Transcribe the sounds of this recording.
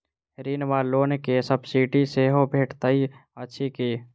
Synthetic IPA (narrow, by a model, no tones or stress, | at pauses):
ɾiːnʋaːloːnkesəbsiːʈiseɦobʱeːʈt̪əiətːʃʰikiː